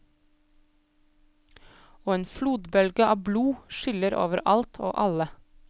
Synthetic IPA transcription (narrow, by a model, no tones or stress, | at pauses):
oːeːnfluːd̪bœlɡəʔɑːʋbluːʃʏləɾʔo̰ːʋəɾʔɑlt̪ʰo̰ːʔɑlə